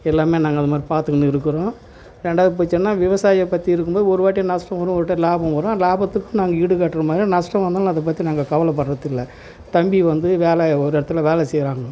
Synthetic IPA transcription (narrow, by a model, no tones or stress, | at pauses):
ɛlːaːmeːnaːŋɡɐnðɯmaːd̪ɾipaːɾt̪ɯkːɐɳːɯɪɾɯkːɯɾõː | ɾɛɳɖaːðɯpoːɪt͡ʃːɐnːaːʋɪʋɐsaːjɐpːɐt̪ːiɪɾɯkːɯmboːðɯɔɾɯʋaːʈ̬ːinɐʂʈɐ̃mʋɐɾʊ̃ɔɾɯʈːɐlaːbɐ̃mʋɐɾʊ̃laːbɐt̪ːɯkːʊ̃naːŋɡɐiːɽɯkaːʈːɯɾɐmaːðɾinɐʂʈɐ̃ʋɐnd̪aːɐðɐp̬ːɐt̪ːinaːŋɡɐkɐʋɐlɐp̬ːɐɽɾɐðɪlːɐ | t̪ɐmbiʋɐnd̪ɯʋeːlɛɔɾɯɪɽɐt̪ːɯlɐʋeːlɛsɛjɾaːŋɡɐɐ